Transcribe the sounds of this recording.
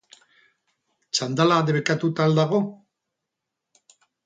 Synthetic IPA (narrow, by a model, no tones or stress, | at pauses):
t͡ʃand̪alaðeβekat̪ut̪ald̪aɣo̞